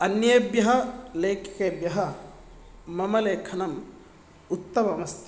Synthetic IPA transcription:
ɐnjɐbjɐɦɐleːkʰkeːbjɐɦɐ | mɐmɐleːkʰɐnɐm | ut̪ːɐmɐɐmɐst̪ʰi

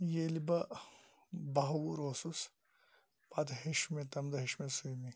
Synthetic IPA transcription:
jelibɐ | bɐɦɐwuɾoːsus | pɐd̪ɦeʃumet̪ɐmd̪ɐɦiʃmesujmi

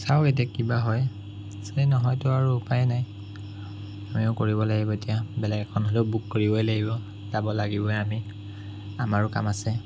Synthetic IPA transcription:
saʊetiakibaɦɔj | sejnɔɦɔjtʊaɹuːpajɛnaj | amiʊkoɹibɔlaɡibɔetijabɛlɛɡɛkʰɔnɦoleʊbukːoɹibɔjlaɡibɔ | zabɔlaɡibɔami | amaɹʊka̰masɛ

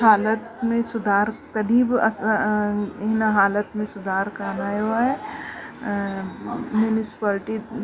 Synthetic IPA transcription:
ɦaːlət̪mẽsʊd̪ʱaːɾk̪ɐd̪iːbɐs | ɦnaɦaːlət̪mẽsʊd̪ʱaːɾkaːnajoaɦɛ | mjunɪsɪ̥paːlɪʈi

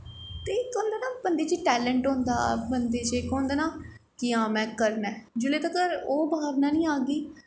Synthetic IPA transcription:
t̪eːkoːnd̪eːnaːbənd̪eːt͡ʃiʈɛːlə̃ɳʈɦõnd̪a̰ːbənd̪eːt͡ʃeːkõːnd̪eːnãː | kɪãːmɛ̃ːkəɾnɛ̃ːd͡ʒʊleːt̪akəɾoːbʱaːʋnaːnĩːaːɡiː

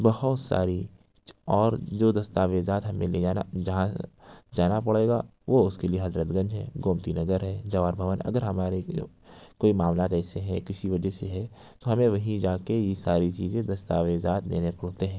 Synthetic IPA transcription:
bɐɦʊt̪sa̰ːɾi | ɔːɾd͡ʒoːd̪ɐst̪aːʋeːzaːt̪ɦɐmẽleand͡ʒɐɦãd͡ʒaːnapɐɽeːɡa̰ʋoʊskelieɦɐd̪ɾət̪ɡɐ̃ɲd͡ʒɦɛ̰̃ːɡoːmt̪inɐɡəɾɦɛːd͡ʒɐʋaːɾbʱɐʋənɐ̰ɡəɾɦɐmaːɾe | koːimaːmlaːt̪ɛːseɦɛ̃kɪsiʋɐd͡ʒəseɦɛ | t̪oɦɐmẽʋɐɦĩd͡ʒaːkejesaːɾit͡ʃiːzẽd̪ɐst̪aːʋeːzaːt̪nḛːnepɐɽt̪eɦɛ̃ː

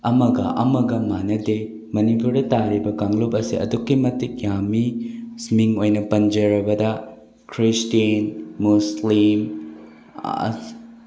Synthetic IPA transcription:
ɐmɐɡɐ̰ʔɐ̰mɐɡɐmanɐde | mɐnipuɾdɐtaɾibɐkaŋlop̚ɐsḭɐ̰dukːimɐtik̚jamismiŋojnɐpɐnd͡ʒɐɾɐbɐdɐ | kʰɾistiinmuslim

